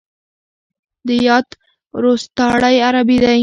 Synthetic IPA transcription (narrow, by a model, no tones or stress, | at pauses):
d̪əjɑt̪ | ɾost̪ɑɽajaɾabid̪a